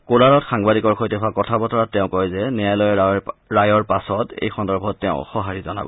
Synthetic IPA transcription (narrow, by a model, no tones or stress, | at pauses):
kolaɹɔtxaŋbadikɔɹkʰojtɛxʊakɔtʰabɔtɔɹatːɛʊ̃kɔjzɛnɛjajlɔjɛɹajɔɹpasɔtḛjxɔndɔɹbʱɔtːɛʊ̃xɔɦaɹizɔna̰bɔ̰